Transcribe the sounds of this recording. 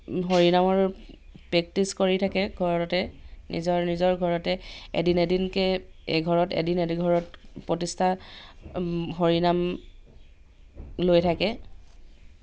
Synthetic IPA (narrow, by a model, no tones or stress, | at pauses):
ɦoɹinamɔɹpɹɛk̚tiskoɹitʰakɛɡʱɔɹɔɔtɛnḭzɔɹnizɔɹɡʱɔɹɔtɛḛdinedinkɛḛɡʱɔɹɔtḛdinediɡʱɔɹɔtpɹotistʰa | ɦoɹinam | lojtʰakɛ